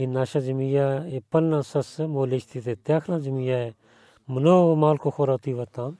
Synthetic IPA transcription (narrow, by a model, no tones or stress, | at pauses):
inaːʃaːd͡ʒəmijaːepəlnãːsɐsmoːleʃt̪ʰit̪eːt̪jaːkʰnãːd͡ʒəmiːjaːe | mənoːmaːlkʰoːkʰoːɾaːt̪iːʋat̪ãː